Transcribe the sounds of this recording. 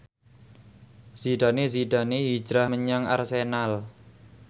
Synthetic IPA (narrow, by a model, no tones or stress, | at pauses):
z̥iɖ̪̥a̤neziɖ̥a̤neɦi̥d͡ʒɾahməɲaŋa̰rsenal